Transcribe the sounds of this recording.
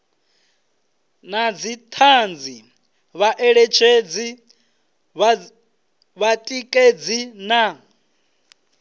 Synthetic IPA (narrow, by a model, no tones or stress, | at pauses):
nad͡zit̪ʰand͡zi | βaʔɛɺet͡ʃʰed͡zi | βatʼikʼed͡zina